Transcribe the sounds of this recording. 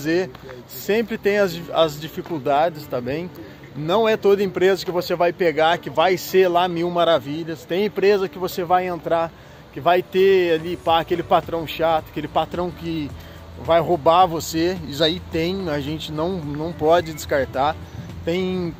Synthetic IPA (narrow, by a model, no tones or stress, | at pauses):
ze | sẽmpɾɪt̪ẽj̃ɐzɐzd͡ʒifikuwd̪ad͡ʒɪst̪abẽj̃ | nɐ̃w̃ɛt̪od̪ɐẽpɾezɐkɪvosevajpeɡakɪvajseɾlamiwmaɾaviʎɐst̪ẽj̃ẽpɾezɐkɪvosevajẽnt̪ɾa | kɪvajt̪ealipaakelɪpat̪ɾɐ̃w̃ʃat̪ʊɐkelɪpat̪ɾɐ̃w̃kɪ | vajhobavoseisait̪ẽj̃ɐʒẽnt͡ʃɪnɐ̃w̃nɐ̃w̃pɔd͡ʒɪd͡ʒɪskaɾt̪a | t̪ẽj̃